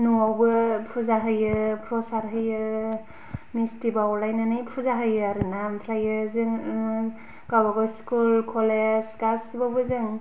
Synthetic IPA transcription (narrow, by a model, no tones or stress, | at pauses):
nuawbɯpʰuzaɦɯjɯpʰɾɔsaɾɦɯjɯ | mistibawlajnanɯjpʰuzaɦɯjɯaɾɯnampʰɾajɯzɯŋ | ɡabaɡaskulkʰɔlezɡasbawbɯzɯŋ